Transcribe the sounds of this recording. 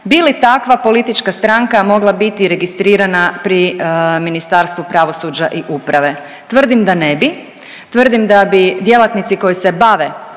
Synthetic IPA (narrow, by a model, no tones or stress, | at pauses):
bilit̪akʋapo̞lit̪it͡ʃkast̪ɾaŋkamo̞ɡlˠabit̪iɾe̞ɡist̪ɾiːɾanapɾiminist̪aɾst̪ʋupɾaʋo̞suːd͡ʒaʔiʔupɾaʋe̞ | t̪ʋr̩d̪imd̪anebi | t̪ʋr̩d̪imd̪abid̪je̞lˠat̪nit̪siko̞jise̞baʋe